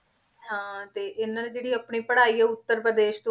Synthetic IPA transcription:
ɦãːt̪eːʔɪnãːnẽd͡ʒeːɽiːapɳiːpəɽaːiːɛːʊt̪ːəɾpɾəd̪eːʃt̪õ

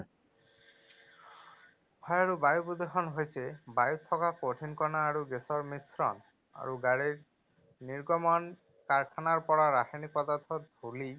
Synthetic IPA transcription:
bʰʱɔjaɹubajupud̪exɔnɦojsebajut̪ʰːɔkakoʈʰinkɔnaːɹuɡesɔɹmisɾɔn | a̰ɹuɡaɽiɹ | niɹɡɔmɔn | kaɹkʰanaɹpɔɹaɾaxinik̚pɔd̪at̪ʰɔt̪̚d̪ʱuli

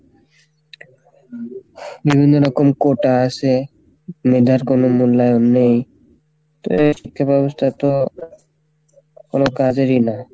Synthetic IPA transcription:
bibʱinːoɾɔkomkoʈaasʰe | med̪ʱaɾkonomulːajonːej | t̪o̰eʃikʰːabɛbost̪ʰat̪o | konokad͡ʑeɾina

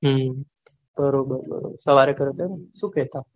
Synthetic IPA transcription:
ɦə | bəɾobəɾbə̰ɾo̰səʋaɾekəɾət̪enəsuket̪a

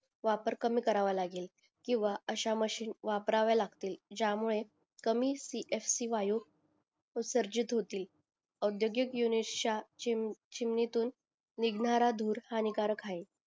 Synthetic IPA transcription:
ʋapəɾkəmiːkəɾaʋalaɡiːl | kĩw̃ʋaəɕaməɕiːnʋapɾaʋjalaɡt̪iːld͡ʑjamuɭe | kəmiːsiʔefsiːʋaju | usəɾd͡ʑit̪ɦot̪iːl | əd̪joɡjəkjunit͡ɕa | t͡ɕimnet̪uːnː | iɡnaɾad̪ʱuːɾhanikaɾəkʰai

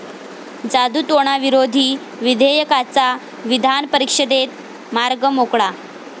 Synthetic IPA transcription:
d͡zad̪ut̪oɽ̃aʋiɾod̪ʱiː | ʋid̪ʱejəkat͡sa | ʋid̪ʱanpəɾikʂəd̪et̪̚ | maɾɡəmokɭa

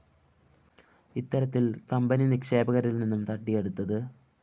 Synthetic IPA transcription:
it̪ːɐɾɐt̪ːilkɐmbɐninikʂe̞ːbɐɣɐɾilninːumt̪ɐʈːije̞ɽut̪ːɐðɨ

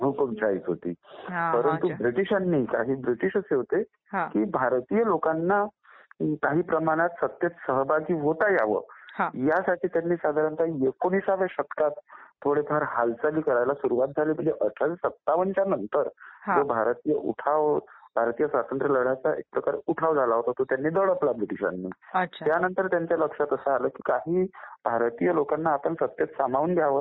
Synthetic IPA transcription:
bʱukəmt͡ɕʰait͡sɦot̪ḭːpəɾənt̪ubɾiʈiɕanːiːkaɦiːbɾiʈiɕəseɦot̪e | kibʱaɾt̪ijəlokanːa | kaɦiːpɾəmaɽ̃at̪sət̪jət̪səɦəbʱaɡiːɦot̪aja̰ʋə̰ɦjasaʈʰiːt̪janːiːsad̪ʱaɾant̪aekoɽ̃isaʋeɕət̪kat̪ʰːoɽepʰaɾhalt͡saliːkəɾajlasuɾuʋat̪̚d͡zʱaliːm̤əɳd͡zeʔəʈʰad͡zsət̪ːaʋənt͡ɕanənt̪əɾd͡zobʱaɾt̪ijəʔuʈʰaʋbʱaɾt̪ijəsʋat̪ənt̪ɾələɽ̤at͡saʔḛk̚pɾəkaɾḛuʈʰaʋd͡zʱalaɦot̪aɦot̪ot̪janːiːd̪əɽəplapjuʈiɕa̰nːḭːəɕʰjanənt̪əɾt̪jaɲt͡ɕjaləkʂat̪əsəɦaləːkiːkaɦiːbʱaɾt̪ijəlokanːaːpəɳsət̪jət̪samaʋuːnɡ̪ʱjaʋəː

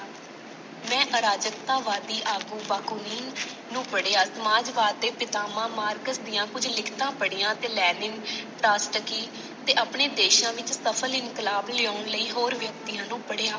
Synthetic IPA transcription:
mɛ̃ːʔəɾaːd͡ʒək̚t̪aːʋaːd̪iːʔaːɡuːʋaːkoːniːn | nũːpəɽeːaːsəmaːd͡ʒʋaːd̪ːeːpɪt̪aːmãːmaːɾkəsd̪ijãːkʊd͡ʒlɪkʰt̪ãːpəɽijãːt̪eːlɛːnɪŋɡpɾaːsʈəkiː | t̪eːʔaːpɳeːd̪eːʃãːʋɪt͡ʃsəpʰəlɪnkɪlaːblɪoːʊɳləiːɦoːɾʋjək̚t̪iːjãːnũːpəɽeːaː

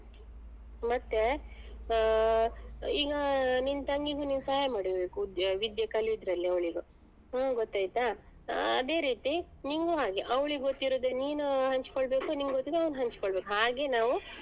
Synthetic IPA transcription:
mɐt̪ːe | iːɡɐnint̪ɐŋɡiɡuninsaːjɐmaːɽibeːkud̪ʋid̪jɐkɐliid̪ɾɐlːiɐʋɭiɡu | aɡɔt̪ːaːjt̪a | ɐd̪e̞ɾiːt̪i | niŋɡuɦaːɡeʔɐʋɭiɡɡot̪ːiɾoːd̪eniːnuɦɐɲt͡ʃkoɭbe̞ːkuniːŋɡɡot̪ːid̪ɐʋnɦɐɲt͡ʃkoɭbe̞ːkuɦaːɡe̞naːʋu

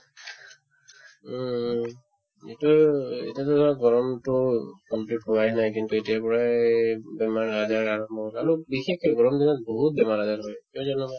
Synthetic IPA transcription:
ḛtuḛtiatuzɔaɡɔɹɔmtʊkɔmplitɦowajnajkintuetijapɔɹa | bɛmaɹazaɹaɹɔp̚mɔɔlaɹubixekɡɔɹɔmdinat̚boɦut̚bɛmaɹazaɹɦɔjkiɔzɔnɔa

